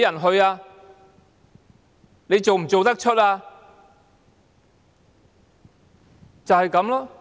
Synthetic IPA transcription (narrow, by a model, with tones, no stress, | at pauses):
jɐ˨˩nɦɵ˧ɥaː˧ | ne˨˧jt͡so˨wm̩˨˩t͡so˨wt̪ɐ˥k̚t͡ʃʰɵ˥t̚aː˧ | t͡sɐ˨whɐ˨jkɐ˨˥mlɔ˧˥